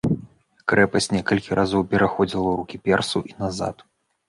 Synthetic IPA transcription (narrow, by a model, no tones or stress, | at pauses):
kɾɛpɐsʲtʲnʲɛkɐlʲkʲiɾʔazɔwpʲɛɾaxɔd͡zʲilˠɐuɾukʲipʲɛrsuʔinaza̰t̪